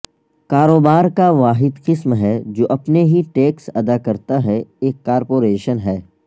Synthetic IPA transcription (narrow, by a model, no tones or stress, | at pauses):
kaːɾoːbaːɾkaʋaːɦɪd̪qɪsmɦɛd͡ʒoːʔɐpneɦiʈeːksɐd̪akɐɾt̪aɦɛeːkːaːɾpoːɾeːʃənɦɛː